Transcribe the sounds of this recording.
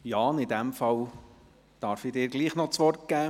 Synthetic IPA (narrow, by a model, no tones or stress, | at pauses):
jɑːnɪd̪æmfɑl | d̥ɑɾfidɪːɾɡliːχnɔt͡sʋɔrt̚ɡ̥æː